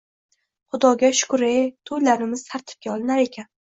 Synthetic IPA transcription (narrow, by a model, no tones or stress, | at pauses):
χʊd̪ɒɡʲaʃʊ̥kʊɾet̪ʰojlaɾɪmɪz̥t̪ʰaɾt̪ʰɪ̥p̚ɡʲaɒlˠɪnaɾe̞kʲʰan